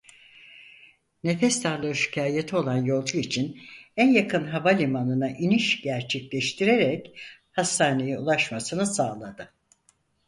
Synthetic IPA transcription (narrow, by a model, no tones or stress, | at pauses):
ne̞fɛst̪ʰaɾlˠɯːʃi̥cʰaːjet̪ʰio̞lˠanjo̞lˠd͡ʒuit͡ʃʰinænjakʰɯnɦavalʲimanɯnaʔiniʃɟæɾt͡ʃʰɛclʲɛʃt̪ʰiɾe̞ɾɛchast̪ʰaːne̞jɛulˠaʃmasɯnɯsaːlˠad̪ɯ